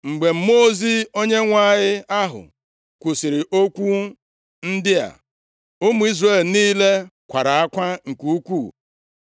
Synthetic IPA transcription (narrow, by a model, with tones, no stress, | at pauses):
ŋ͡m̩˨ɡ͡be˨m̩˦mo˦zi˦o˦ɲe˦ŋʷa˦˨ɲɪ˦a˦ɦʊ̰˨ | kʷu˨sɪ˨ɾɪ˨ʔo˦kʷu˦ | n̩˦dɪ˦a̰˨ | ʊ˦mu˨˦i˦zre˦˨lniː˦le˦kʷa˨ɾa˨a˦kʷa˦ŋ̩˨ku˨u˦kʷu˦˨